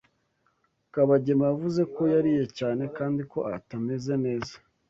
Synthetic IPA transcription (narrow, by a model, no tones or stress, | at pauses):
kaβaɟe̞majavuze̞ko̞jaɾije̞caːne̞kaːndiko̞ʔatame̞ze̞ne̞ːzḁ